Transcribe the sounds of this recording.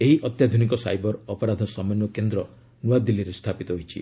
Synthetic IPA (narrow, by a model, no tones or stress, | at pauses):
eɦiʔɔt̪jad̪ʱunikɔsa̰jbɔɾɔpɔɾad̪ʱɔsɔmenɔkend̪ɾɔ | nuad̪iliɾest̪ʰapit̪ɔɦojt͡ʃʰḭ